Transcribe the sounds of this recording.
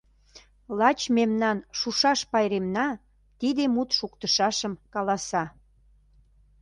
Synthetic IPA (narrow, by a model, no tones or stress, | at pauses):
lɑt͡ɕmemnɑnʃuʃɑʃpɑjɾemnɑ | t̪id̪emut̪ʃukt̪əʃɑʃəmkɑlɑsɑ